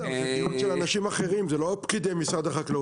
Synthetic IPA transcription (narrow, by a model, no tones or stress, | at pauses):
iuʃelanaʃimaχeʁimzelopkid̪emisʁad̪aχakle